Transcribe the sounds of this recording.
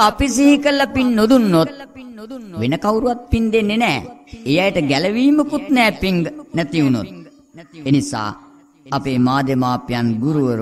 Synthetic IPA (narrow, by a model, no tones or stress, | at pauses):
ɐpisiɦikəlːɐpinːod̪unːot̪̚ | ʋenəkawɾuʋat̪̚pind̪enenɛːejajʈəɡælɐʋiːməkut̪nɛːpiŋɡənæt̪iuno̰t̪̚ | enisa̰ː | ɐpeːmaːd̪emaːpijanɡuɾuʋəɾ